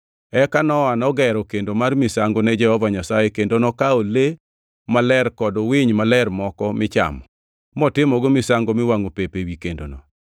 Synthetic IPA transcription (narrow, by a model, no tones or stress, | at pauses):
ɛkanɔanɔɡɛɾɔkendomarmisaŋɡonɛd͡ʒɛhɔvaɲasajekendonɔkaole | malɛrkɔdowɪɲmalɛrmɔkɔmɪt͡ʃa̰mɔ | mɔtɪmɔɡomɪsaŋɡomɪwaŋopepewikendo̰no